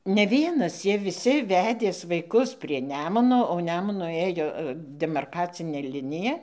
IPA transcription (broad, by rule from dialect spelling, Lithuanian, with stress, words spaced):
nʲɛ ˈʋʲiɛnɐs ˈjiɛ ʋʲɪˈsʲɪ ˈʋʲæːdʲeːs ʋɐɪˈkʊs pʲrʲiɛ ˈnʲæːmʊnoː oː ˈnʲæːmʊnʊ ˈeːjoː dʲɛmɐrˈkɑːt͡sʲɪnʲeː ˈlʲɪnʲɪjɛ